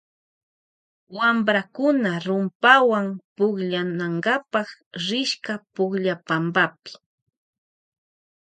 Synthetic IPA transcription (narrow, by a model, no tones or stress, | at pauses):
wambɾakʊnaɾʊmpawaŋpʊχʎanaŋɡapɑχɾɪʃkapʊχʎapambapɪ̥